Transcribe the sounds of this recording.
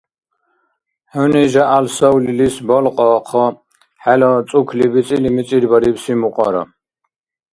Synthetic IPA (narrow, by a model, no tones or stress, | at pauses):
hɔniʒaʔalsɔwlilisbɔlqʼɔqʰɔ | ħɛlɔt͡s̪ʼukʰlibit͡sʼilimiiɾbaɾipsimuqʼa̰ɾɔ̰